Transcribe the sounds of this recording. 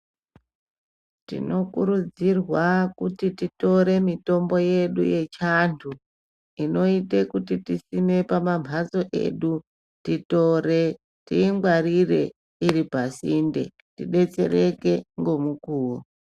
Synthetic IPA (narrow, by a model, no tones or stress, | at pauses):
tḭno̞kuɾud͡zirwakutitito̞ɾe̞mito̞mbo̞je̞ɗṵje̞t͡ʃantʰu | ino̞ite̞kutitisime̞pamambʱazo̞ʔe̞̰ɗu | tito̞ɾe̞ | tiːŋɡwarire̞ | iɾipasinde̞̰ | tḭɗe̞t͡se̞̰reke̞ŋɡo̞mukuːwo